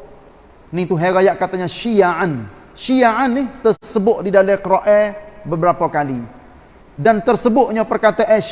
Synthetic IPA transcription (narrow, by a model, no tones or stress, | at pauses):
nit̪uɦeɡajaʔkat̪aɲaʃijaan | ʃijaʔanːɪht̪əsəbʊʔ̚didalɛkɾoʔɛbəbəɾapakali | dant̪ərsəbʊt̪̚ɲapərkat̪aʔɛ